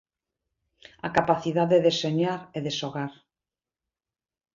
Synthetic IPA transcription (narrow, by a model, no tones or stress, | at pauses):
a̰kapaθiðaðeðeseɲaɾeðeʃoɣaɾ